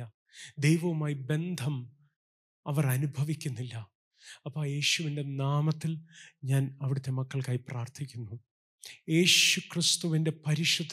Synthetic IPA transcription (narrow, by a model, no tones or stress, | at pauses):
ɐ | d̪ejʋɐʋumaːjibe̞nd̪ʱɐm | ɐʋɐrɐnubʱɐʋikʲːunːilːɐ | ɐpːoːje̞ːɕuʋinde̞naːmɐt̪ːilɲaːnɐʋiɽut̪ːe̞mɐkːɐɭkaːjipraːrt̪ʰikʲːunːu | je̞ːɕukrist̪uʋinde̞pɐɾiʂɐd̪ʱ